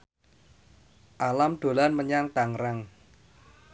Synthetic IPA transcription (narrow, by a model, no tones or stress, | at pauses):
ʔalamd̪̥o̤lanməɲaŋt̪aŋɾaŋ